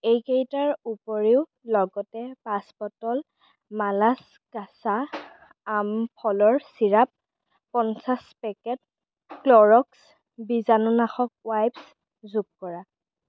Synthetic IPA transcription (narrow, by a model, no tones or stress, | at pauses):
ejkejtaɹupɔɹiʊ | lɔɡɔtɛpaspɔtɔl | malas | kasaː | mpʰɔlɔɹsiɹap̚ː | ɔnsaspɛkɛt̚ | klɔɹɔks | bizanunaxɔk̚wajbs | zuɡ̚kɔɹa